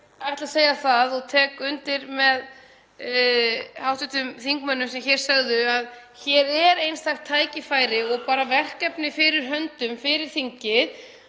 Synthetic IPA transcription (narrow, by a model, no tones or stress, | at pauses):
ajht̪laseːjaθaðɔɣt̪ʰɛːkʏnt̪ɪɾmɛð | hawht̪ʏt̪ʏmθiŋkmœnːʏmsɛmçɛːɾ̥sœɣðʏað | çɛɾɛɾejnst̪axt̪ʰːaːjcɪfaːjɾɪɔɣpaːɾavɛr̥kɛpnɪfɪɾɪɾ̥ɦœnt̪ʏmfɪɾɪɾ̥θiɲcɪð